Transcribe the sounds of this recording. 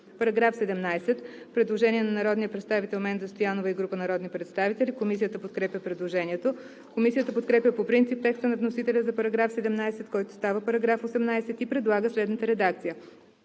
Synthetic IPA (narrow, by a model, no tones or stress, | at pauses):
pɐɾɐɡɾafsɛd̪ɛmnajsɛt̪ | pɾɛd̪lˠoʒɛnʲiɛnɐnɐɾɔd̪nijəpɾɛt̪st̪avit̪ɛlˠmɛnzɐst̪ojanovəiɡɾupənɐɾɔd̪nipɾɛt̪st̪avit̪ɛlʲikomisijət̪əpot̪̚kɾɛpjʲəpɾɛd̪lˠoʒɛniɛt̪o | komisijət̪əpot̪̚kɾɛpjəpopɾint̪sip̚t̪ɛkst̪ənɐvnosit̪ɛlʲəzɐpɐɾɐɡɾafsɛd̪ɛmnajsɛt̪kɔjt̪ʊ̥st̪avəpɐɾɐɡɾafosɛmnajsɛt̪ipɾɛd̪lˠaɡəslɛd̪nət̪əɾɛd̪akt̪sijə